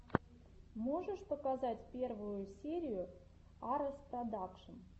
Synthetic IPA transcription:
moʐəʂpəkazatʲpʲe̞rvʊjʊsʲeɾʲɪjʊ | ɑɾəsp̪ɾad̪ɑkʂən

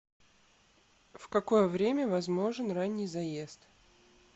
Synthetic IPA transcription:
fkɐko̞jəvɾʲemʲəvɐzmo̞ʐɨnranʲːɪjzɐjest̪

